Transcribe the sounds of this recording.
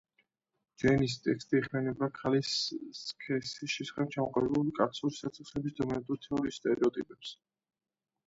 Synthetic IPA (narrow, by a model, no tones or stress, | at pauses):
d͡ʒɛnis̬t̪ʼɛkst̪ʼiːχmɛnɛbakʰaliskʰɛsiʃɛsḁχɛb̚t͡ʃʰamɔqʼɔlɛbulikʼak̪suɾisat̪sʰiχsɛbisd̪ɔmɛɾɛt̪ʼuɾt̪ʰɛɔɾiːst̪ʼɛɾɛɔt̪ʼipʼɛps